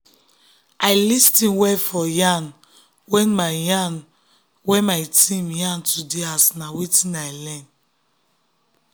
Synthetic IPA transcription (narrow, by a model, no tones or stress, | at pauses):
ajlistĩnwɛfɔjãn | wɛ̃nmajãn | wɛ̃majtĩmjãntʰudeasnawetĩnajlɛ̃n